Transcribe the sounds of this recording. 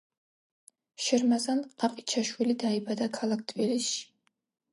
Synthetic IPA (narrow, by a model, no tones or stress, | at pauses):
ʃɪrmazanqʼaqʼit͡ʃʰaʃwilid̪aibad̪akʰalak̚ʰt̪ʰʼviliʃ